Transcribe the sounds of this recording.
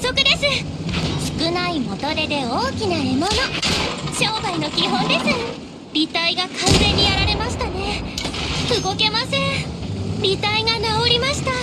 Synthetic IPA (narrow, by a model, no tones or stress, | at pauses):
ssokɯ̟d̪e̞sɨ | sɨ̥kɯ̟naimo̞t̪o̞ɾe̞d̪e̞o̞ːkʲinae̞mo̞no̞ɕo̞ːbaino̞kʲiɦõ̞nd̪e̞sɨ | bʲit̪aiɡakãnzẽ̞ɲ̟ːijaɾaɾe̞maɕi̥t̪ane̞ | ɯɡo̞ke̞masẽ̞ | bʲit̪aiɡanaoɾʲimaɕi̥t̪a